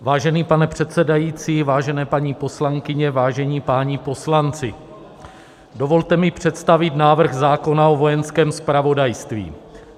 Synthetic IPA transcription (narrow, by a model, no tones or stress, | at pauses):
vaːʒɛniːpanɛpr̥ɛt̪t͡sɛdajiːt͡siːvaːʒɛnɛːpaɲiːpo̞slaŋkɪɲɛvaːʒɛɲiːpaːɲipo̞slant͡sɪ | do̞vo̞lt̪ɛmɪpr̝̥ɛt̪st̪avɪt̪naːvr̩ɣzaːko̞nao̞vo̞jɛnskɛːmspɾavo̞dajst̪vḭː